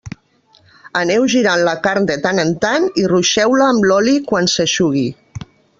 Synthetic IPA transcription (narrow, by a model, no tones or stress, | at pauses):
ənɛwʒiɾanləkaɾnd̪ət̪anənt̪aniruʃɛwləːmlɔlikwansəʃuɣ̞i